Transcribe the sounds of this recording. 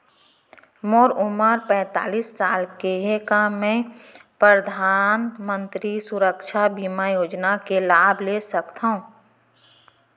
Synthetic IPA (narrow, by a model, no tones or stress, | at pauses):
moːɾʊməɾpɛ̃ːt̪a̰ːliːsːaːlkeɦekamɛ̃ | pɾəd̪ʱaːnmə̃nt̪ɾisʊɾəkʃabiːmajoːd͡ʒnakelaːbʱlesəkt̪aɦũː